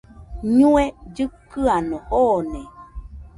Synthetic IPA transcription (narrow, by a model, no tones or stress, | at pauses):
ɲũed͡ʒɨkːɨanõhone